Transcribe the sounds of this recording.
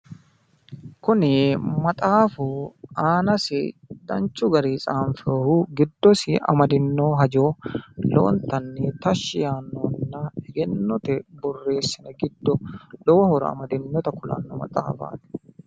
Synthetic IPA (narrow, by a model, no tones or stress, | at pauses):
kʊnɪmɐt̪ʼaːfʊaːnɐsɪ̰d̪̥ɐ̰nt͡ʃːʊɡɐɾiːsʼaːnfɪɾɔhuːɡɪd̪ːɔsɪʔɐ̰mɐd̪ɪnːoːɦɐd͡ʒoːlo̰ːnt̪ɐnːɪt̪ɐʃːɪjaːnːoːnːaɛɡɛnːɔt̪ɛbɔrːe̞ːsːɪnɐɡɪd̪ːɔᶑɔwhɔɾɐ̰ɐ̰mɐd̪ɪnːɔt̪ɐkʊlɐ̰nːɔmɐ̰t̪ʼa̰ːfa̰ːt̪ɛ̥